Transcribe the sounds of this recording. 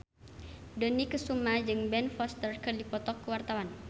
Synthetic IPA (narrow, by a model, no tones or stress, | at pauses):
dənikəsumad͡ʒɨŋbɛnfɔst̪ərkərdipɔt̪ɔkːəwart̪awan